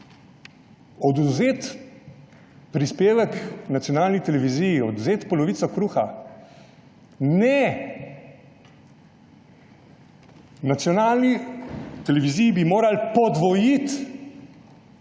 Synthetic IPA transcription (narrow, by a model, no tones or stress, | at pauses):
ɔd̪uzeːt̪ | pɾispeːʋɛknat̪sjɔnaːlnit̪ɛlɛʋizijiɔd̪uzeːt̪pɔlɔʋiːt̪ɔkɾuːxa̰ | nɛ | nat̪sjɔnaːlnit̪ɛlɛʋizijibimoːɾalpɔd̪ʋɔjit̪